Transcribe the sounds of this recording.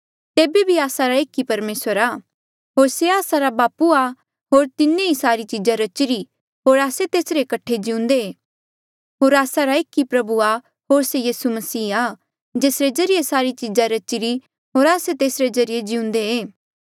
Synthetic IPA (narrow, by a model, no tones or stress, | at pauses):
t̪eːbebʱiaːsaɾaeːkːipɐɾmeːsəɾaː | ɦoːɾseaːsaɾabaːpua | ɦoːɾt̪ɪnːẽisaːɾit͡ʃid͡ʒaɾɐt͡ʃɪɾi | ɦoːɾaːset̪eːsɾekɐʈʰed͡ʒɪʊ̃nd̪eeː | ɦoːɾaːsaɾaeːkːipɾɐbua | ɦoːɾsejiːsumɐsiːaː | d͡ʒeːsɾezɐɾijesaːɾit͡ʃid͡ʒaɾɐt͡ʃɪɾi | ɦoːɾaːset̪eːsɾezɐɾɪjed͡ʒɪʊ̃nd̪eeː